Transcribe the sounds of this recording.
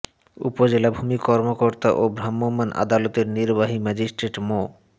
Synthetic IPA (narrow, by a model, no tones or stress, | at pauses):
ṵpod͡ʑelabʱumikɔɾmokoɾt̪aʔobɾamːomːanʔa̰d̪alot̪eɾniɾbaɦimɛd͡ʑisʈɾeʈmo